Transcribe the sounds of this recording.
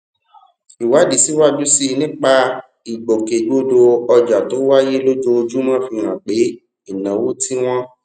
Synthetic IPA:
i˨wa˨˦di˨si˨˦wa˦du˦si˦˧nĩ˦k͡pa˧ | i˨ɡ͡bo˨ke˨ɡ͡bo˧do˧ɔ˧d͡ʒa˨tõ˨˦wa˦je˦lo˦d͡ʒo˧d͡ʒu˦mã˦fi˧ɾ̃ã˨k͡pe˨˦ | i˦˨nã˨wo˦tʰi˦w̃ɔ̃˦

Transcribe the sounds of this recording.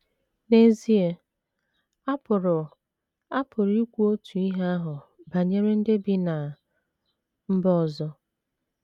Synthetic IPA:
ne˨˦zi˦e˨ | a˦pʊ˨ɾʊ˨ | a˦pʰʊ˨ɾi˦kʷu˦o˦tu˨i˦ɦa˦a˦ɦʊ˨ba˨ɲe˦ɾe˦n̩˦dɪ˦bi˦na˨ | m̩˦bɔ˦ɔ˨zɔ˦

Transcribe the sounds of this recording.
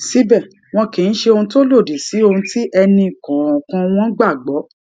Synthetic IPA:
si˦bɛ˦˨ | w̃ɔ̃˧ki˨n̩˦ʃe˧o˧ũ˧to˦lo˦˨di˨si˨˦õ˧ti˦ʔɛ˧nĩ˧˨kɔ̃˨ɔ̃˨kã˧w̃ɔ̃˦ɡ͡ba˦˨ɡ͡bɔ˨˦

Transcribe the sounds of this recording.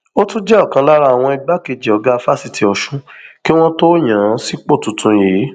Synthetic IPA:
o˦tũ˦d͡ʒɛ˦ɔ˦˨kã˧la˦ɾa˦a˨w̃ɔ̃˧i˧ɡ͡ba˦ke˧˨d͡ʒi˨ɔ˨˦ɡa˦˧˦fa˦˨si˧tʰi˧ɔ˨ʃũ˦ki˦w̃ɔ̃˦to˦j̃ã˨˦si˦k͡po˦˨tũ˨tʰũ˧jeː˨˦

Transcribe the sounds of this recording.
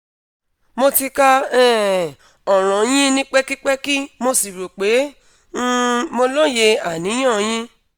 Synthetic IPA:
mo˧ti˧ka˧ɛː˦˨ | ɔ˨ɾ̃ɔ̃˨j̃ĩ˦nĩ˦k͡pɛ˦ki˦k͡pɛ˦ki˦mo˧si˨ɾo˨k͡pẽ˨˦˧ | mo˧lɔ˦je˧a˨nĩ˨˦j̃ɔ̃˦˨j̃ĩ˦

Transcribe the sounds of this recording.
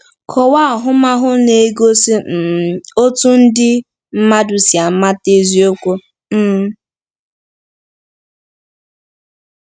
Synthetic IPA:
kʰɔ˨wa˦˨ɦʊ˦ma˦ɦʊ˦ne˨e˦ɡo˦si˦˨o˦tu˦n̩˦dɪ˦ | m̩˦ma˦du˨sja˨˦ma˦te˦zi˦o˦kʷo˦ | m̩ː˦

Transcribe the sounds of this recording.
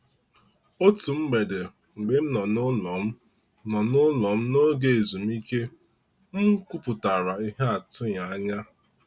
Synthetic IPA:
o˦tu˨m̩˦ɡ͡be˨de˨ | ŋ͡m̩˨ɡ͡be˦m̩˦nɔ˨nʊ˦lɔ˨m̩˦ | nɔ˨nʊ˦lɔ˨m̩˦no˦ɡe˨e˨zu˨m̩˦i˦ke˦ | m̩˦kʷu˦pʊ˨ta˨ɾa˨i˦ɦe˦a˨tʊ˦ɲa˨a˦ɲa˦

